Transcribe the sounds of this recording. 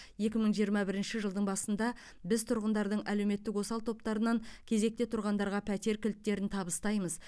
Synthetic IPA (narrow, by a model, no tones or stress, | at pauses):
je̞kʲɪməɴʒijəɾmɑbɪɾɪnʃɪʒəlˠd̪əɴbɑsənd̪ɑ | bɪzt̪ʰʊɾʁənd̪ɑɾd̪əɴʔæle̞wme̞t̪ːɪkwo̞sɑlˠt̪ʰo̞p̚t̪ɑɾənɑŋkʲʰe̞ze̞k̚t̪e̞t̪ʰʊɾʁɑnd̪ɑɾʁɑpʰæt̪e̞ɾkʲʰʏlt̪ːe̞ɾɪnt̪ʰɑbəst̪ɑjməz